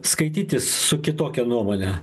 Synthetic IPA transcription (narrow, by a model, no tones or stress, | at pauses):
skɐɪt̪ʲiːt̪ʲɪssʊkʲɪt̪oːkʲɛnuɔmoːnʲɛ